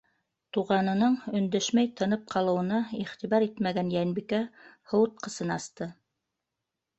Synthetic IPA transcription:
t̪uʁɑnɤ̆nɤɴɵ̆nd̪æʃmæjt̪ʰɤ̆nɤp̚qʰɑlˠɤ̆wɤ̆nɑiχt̪iβɑɾit̪mæɡænjænbikæhŏwɤt̪̚qɤ̆sɤnɑst̪ɤ

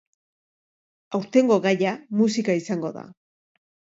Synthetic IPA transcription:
awɾt̪e̞ŋɡo̞ɣajamusikaisaŋɡo̞ða̰

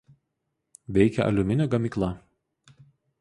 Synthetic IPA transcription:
ʋʲɛɪkʲɛʔɐ̰lʲʊmʲɪnʲoɡɐmʲiːˑklˠɐ

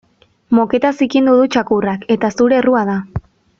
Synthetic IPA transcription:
mo̞ke̞t̪asikind̪uðut͡ʃakurake̞t̪asuɾe̞ruað̞a

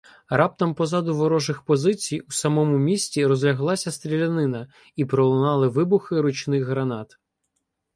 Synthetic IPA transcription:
rɑp̚t̪ɐmpɔzɑd̪ʊʋɔɾɔʒɪxpɔzɪt͡sʲijusɐmɔmʊmʲisʲtʲiɾɔzlʲɐɦlˠɑsʲɐst̪ɾʲilʲɐnɪnɐ | ipɾɔlˠʊnɑlˠɪʋɪbʊxɪɾʊt͡ʃnɪxɦɾɐnɑt̪

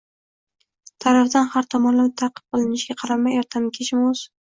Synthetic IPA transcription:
t̪ʰaɾafd̪anhaɾt̪ʰɒmɒnlant̪ʰaqʰɨ̥p̚qɨlˠɪnɪʃɡʲaqʰɑɾamajeɾt̪ʰamkʲʰet͡ʃɪmʊz̥

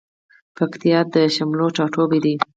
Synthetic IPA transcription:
pakt̪ijɑd̪əʃamloʈ͡ʂɑʈobed̪i

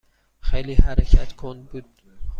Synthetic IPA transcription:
χejlihaɾakʲʰat̪kʰonbut̪

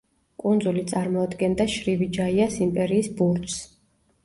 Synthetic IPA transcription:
kʼund̪zulit̪sʼaɾmɔad̪ɡɛnd̪aʃɾivid͡ʒaiasimpʼɛɾiːsbuɾt̪s

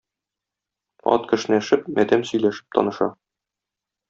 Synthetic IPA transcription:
ɒ̰t̪kɘ̆ʃɘ̆nææʃɘp̚mʔæd̪æmsɵ̆jlæʃɘ̥p̚t̪ʰɒ̰nɤ̆ʃɑ̰

